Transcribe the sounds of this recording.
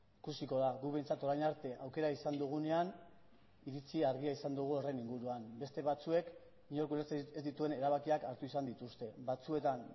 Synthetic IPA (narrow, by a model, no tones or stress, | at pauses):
ikusiko̞ðaɣuβe̞jnt͡sat̪o̞ɾajɲaɾt̪e̞ʔawke̞ɾaisand̪uɣ̞une̞an | iɾit͡siaɾɣiaisand̪uɣ̞uo̞re̞niŋɡuɾuambe̞st̪e̞βat͡sue̞k | miɲoɾkulet͡sezd̪it̪ue̞ne̞ɾaβakiakaɾt̪uisand̪it̪ust̪e̞bat͡sue̞t̪an